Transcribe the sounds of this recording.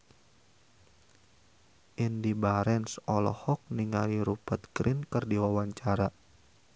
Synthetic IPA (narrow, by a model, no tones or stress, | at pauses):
ʔindibaɾɛnsɔlɔ̰hɔk̚niŋaliɾupat̪̚kɾʔinkɨrdiwawaɲt͡ʃaɾa